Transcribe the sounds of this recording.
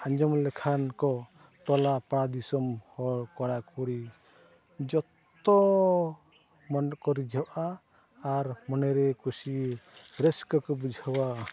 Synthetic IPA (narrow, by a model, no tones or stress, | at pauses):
aɲd͡ʒɔmlɛkʰankɔ | t̪ɔlapaɽad̪isɔmhɔɽkɔɽakuɾi | d͡ʒɔt̪ | ɔ | mɔnkɔɾid͡ʒʱɔʔaː | ɾmɔnɛɾɛkusiɾɛskɔkɔbud͡ʒʱawa